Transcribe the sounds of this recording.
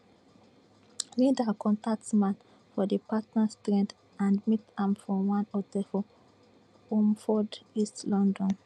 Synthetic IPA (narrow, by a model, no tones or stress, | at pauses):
lidakɔ̃ntak̚tsmãn | fɔdəpatnastɹɛ̃nd | ãndmitãmfɹɔ̃wãnɔtəfɔ | omfɔdistlɔ̃ndɔ̃n